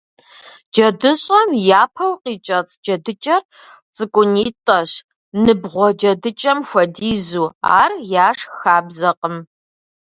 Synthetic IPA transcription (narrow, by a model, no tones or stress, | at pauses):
d͡ʒɐdɨɕʼɐmjaːpʰɐwqʼiːt͡ʃʼɐt͡sʼd͡ʒɐdɨt͡ʃʼɐr | t͡sʼɨkʷʼʊniːtʼɐɕ | nɨbʁʷɔd͡ʒɐdɨt͡ʃʼɐmxʷɐdiːzuːa̰ːrjaːʂxaːbzɐqʼəm